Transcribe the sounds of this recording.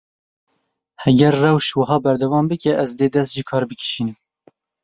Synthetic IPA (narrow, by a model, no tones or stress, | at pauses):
hɛɡɛɾːɛwʃwɨɦɑːbɛɾd̪ɛwɑːmbɨkɛʔɛzd̪eːd̪ɛst̪ʒiːkʰɑːɾbɨki̥ʃiːnɨm